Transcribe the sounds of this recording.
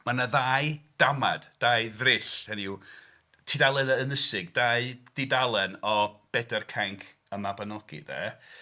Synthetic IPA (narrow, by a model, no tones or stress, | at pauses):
manaðaːjd̥ama̰d̥d̥aːjðrɪshɛniu | tʰidalˠɛnənəsɪɡ̚d̥aːɨd̥idalˠɛnɔb̥ɛdɛrkʰaŋkʰ | əmabanɔɡ̥ḭðɛ̰